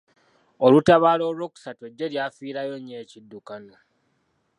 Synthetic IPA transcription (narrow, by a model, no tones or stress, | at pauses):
o̞lutaβalo̞ːɾo̞ku̥satweɟːe̞ljaːfiːɾajo̞ɲːe̞ːcidːukano